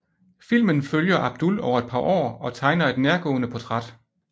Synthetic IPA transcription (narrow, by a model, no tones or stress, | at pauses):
fil̰mənføljɐʔæb̥̚d̥ulɒʊɐe̝d̥̚pʰɑ̈ːʔɒ̰ːɒ̽t͡sʰɑ̈ɪnɐe̝d̥neɐɡ̥ɔ̰̽ːnəpʰɒt͡sʰʁɑd̥